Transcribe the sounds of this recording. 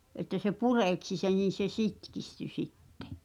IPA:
ʔetːæ se pureˑksi sen̞ n̞in̞ se sitkisty sitːe̥

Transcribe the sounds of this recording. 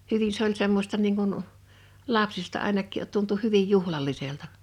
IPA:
hyʋin se olʲ semːostɑ niːŋ kun lɑpsistɑ ɑˑenɑkˑiˑʔ tuntu hyʋij juhlɑlˑiseltɑ

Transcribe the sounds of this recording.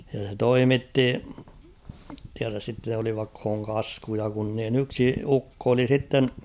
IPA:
jɑ se toimitːi tiæræs sitːe oliʋɑkh̝oːŋ kɑskujɑ kun niːn yksi ukːo oli sitːen

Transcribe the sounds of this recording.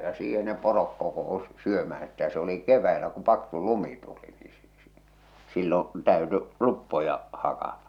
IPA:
jɑ siːhe ne porok kokousi̥ syømæh̞æn̞ sitæ se oli keʋˑæilæ kum̆ pɑksu lumi tuli niː si̥ si̥ silːon̞ tæˑø̝ty lupːojɑ hɑkɑtɑ

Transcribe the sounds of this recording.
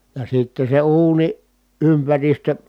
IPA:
jɑ sitːe se uːniʔ ʔympæristø

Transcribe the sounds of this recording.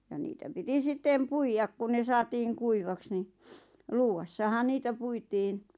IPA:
jɑ niːtæ piti sĭtˑeˑm puijɑk ku ne sɑːtiːŋ kuiʋɑks ni luːwɑsːɑhɑn niːtæ puitin

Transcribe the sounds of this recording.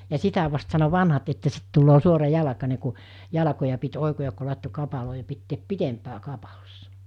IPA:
jɑ sitæ ʋɑst sɑno ʋɑnhɑt etːæ sit tulːoː suorɑjɑlɑkɑne ku jɑlɑkojɑ pit oˑikojɑk ku lɑˑetːo kɑpɑloː jɑ pitːeːp pitempæː kɑpɑlosːɑ̥

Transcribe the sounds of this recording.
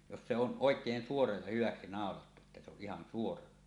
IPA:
jos se on ʔoekˑeːn suorɑ jɑ hyʋɑksi nɑˑolɑtːu etːæ se oʔ ʔihɑn suorɑ

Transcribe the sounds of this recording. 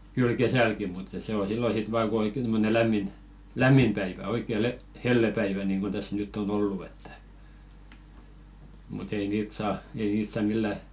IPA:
kyl kesælki mutːɑ̥ se o silːo sit ʋɑː ku oikːen tomːone læmːin læmːim pæiʋæ oikːe le helːepæiʋæ niŋɡ̊un tæs nytː on olːu etːæ̥ mut ei niːt sɑː ei niːt sɑ milːæ

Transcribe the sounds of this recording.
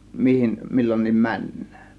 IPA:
mihim milːonʲniːm mænːæ̥ːn̥

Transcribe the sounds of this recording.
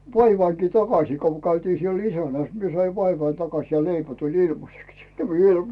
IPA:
ʋɑiʋɑiŋki tɑkɑsiː ko kæytiː siel isænæˑs mie sɑi ʋɑiʋɑi tɑkɑsʲ jɑ leipæ tulʲ ilmɑseks jɑ ʋiel

